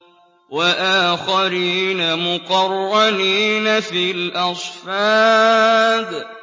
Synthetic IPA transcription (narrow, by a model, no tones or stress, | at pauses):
waʔaːxaɾiːnamʊqɑɾˤːɑniːnafilʔɑsˤfɑː | d̪